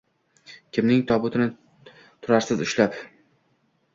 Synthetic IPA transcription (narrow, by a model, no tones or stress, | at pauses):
kʲʰɪmnɪŋt̪ʰɒbʊt̪ʰɪnɪ | t̪ʰʊɾaɾsɪzʊʃlap